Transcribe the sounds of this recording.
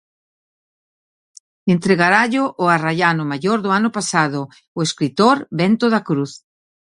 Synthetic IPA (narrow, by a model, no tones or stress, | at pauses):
ent̪ɾeɣaɾaʎʊʔːaraʎanʊmaʎoɾðʊanʊpasaðʊ | ʊeskɾit̪oɾbɛnt̪oðakɾuθ